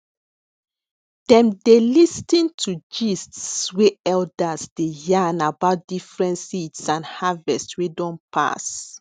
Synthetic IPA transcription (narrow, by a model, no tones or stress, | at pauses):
d̥ɛ̃mdelistĩntʰud͡ʒistsweɛldasd̥ejãnabaʊt̚d̥ifɹɛ̃ntsitsãnhavɛstswedɔ̃npʰa̰s